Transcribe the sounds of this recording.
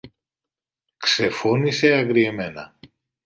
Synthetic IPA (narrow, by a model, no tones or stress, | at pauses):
kse̞fo̞nise̞ɐɡɾieme̞nɐ̰